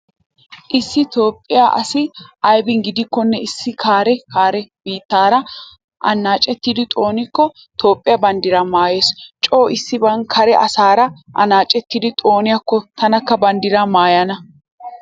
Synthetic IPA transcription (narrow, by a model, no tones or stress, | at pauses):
ʔɪsːɪt̪o̞ːpʼːɪjaːʔɐ̰sɪʔɐjbɪnɡɪd̪ɪkːɔnːɛɪsːɪkʰaːɾɛkaːɾɛbiːt̪ːaːɾɐ | ʔɐ̰nːaːt͡ʃʼːɛt̪ːid̪ɪt̪ʼo̞ːnɪkːɔ | t̪ʰo̞ːpʼːɪjabɐnd̪ɪɾɐmaːjeːst͡ʃʼo̞ːɪsːɪbɐŋkʰɐɾɛʔɐ̰saːɾɐʔɐ̰naːt͡ʃʼːɛt̪ːid̪ɪt̪ʼo̞ːnɪjɐkːɔt̪ɐnɐkːɐbɐnd̪ɪɾɐmaːjɐnɐ